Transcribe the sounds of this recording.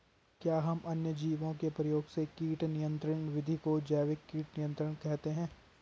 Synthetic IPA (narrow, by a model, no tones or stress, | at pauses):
kjaːɦɐmʔɐnjəd͡ʒiːʋõkepɾɐjoːɡsekiːʈnɪjə̃nt̪ɾəɳ̃ʋɪd̪ʱikod͡ʒɛːʋɪkːiːʈnɪjə̃nt̪ɾəɽ̃kɛɦt̪eɦɛ̃ː